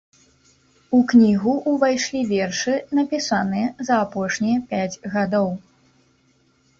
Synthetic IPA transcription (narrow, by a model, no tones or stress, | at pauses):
uknʲiɣuʔːvajʂlʲivʲɛrʂɨnɐpʲisanɨjɐzɐːpɔʂnʲijɐpʲad͡zʲɣad̪ɔw